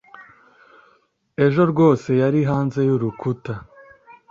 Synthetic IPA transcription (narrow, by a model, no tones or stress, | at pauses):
e̞ʒo̞ɾɡwo̞ːse̞jaɾiɦaːnze̞juɾukʰuta